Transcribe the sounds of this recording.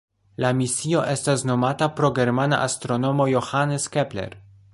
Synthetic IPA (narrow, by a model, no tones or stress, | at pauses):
lamisio̞ʔe̞stasno̞matapɾo̞ɡe̞ɾmana̰ʔastɾo̞no̞mo̞jo̞haneskeple̞̰ɾ